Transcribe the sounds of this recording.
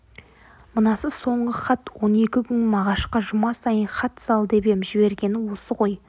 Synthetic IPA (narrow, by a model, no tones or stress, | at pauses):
mənɑsəso̞ɴʁəχɑt̪wo̞ne̞kʲɪkʲʰʏnɪmɑʁɑʃqɑʒʊmɑsɑjənχɑt̪sɑlˠd̪e̞be̞mʒɪbe̞ɾɡʲe̞nɪwo̞səqʰo̞j